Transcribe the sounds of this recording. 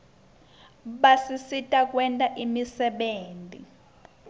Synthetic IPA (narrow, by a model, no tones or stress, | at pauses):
ɓasisitʼak̬ʼwɛntʼaʔimisɛɓeːntʼḭ